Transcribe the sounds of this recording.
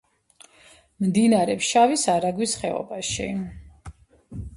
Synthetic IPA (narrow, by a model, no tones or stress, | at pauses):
md̪inaɾɛpʃavisaɾaɡwisχɛɔ̰baʃḭ